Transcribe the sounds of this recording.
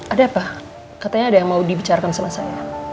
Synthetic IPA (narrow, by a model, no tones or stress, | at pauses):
ʔadapa | kat̪aɲaːdajaŋmaudibit͡ʃaɾakansəmasaɲa